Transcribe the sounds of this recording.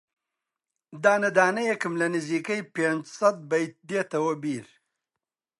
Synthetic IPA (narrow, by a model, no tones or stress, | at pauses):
d̪aːnɐd̪aːnɐjekɨmlɐnizikɐjpend͡ʒsɐt̪̚bɐjt̪̚d̪et̪ɐwɐbiːɾ